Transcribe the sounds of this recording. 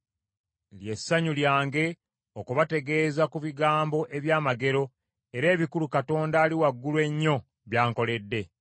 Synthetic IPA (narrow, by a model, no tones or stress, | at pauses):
lje̞sːaɲuljaːŋɡe̞ | okuβate̞ɡe̞ːzakuβiɡaːmbo̞ʔe̞βjaːmaɡe̞ɾo̞ | e̞ɾe̞ːβikulukato̞ːndaːliwaɡːulwe̞ɲːo̞ | βjaːŋko̞le̞dːe̞